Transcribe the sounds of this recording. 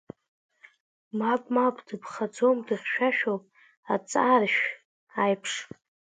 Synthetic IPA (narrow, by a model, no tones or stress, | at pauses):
mapʼmapʼdɨpʰχad͡zo̞mdɨχʲʃᶣaʃᶣowpʼ | at͡sʼarʃᶣ | ajpʰʂ